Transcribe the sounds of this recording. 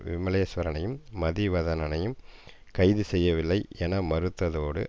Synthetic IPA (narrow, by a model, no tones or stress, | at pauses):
ʋɪ̰mɐlɐjɐsʋɐɾɐnɐjɯmːɐðiʋɐðɐnɐnɐjɯm | kɐɪðɯsɛjːɐʋɪlːɐɪʔɛnɐmɐɾɯt̪ːɐðoːɽɯ̰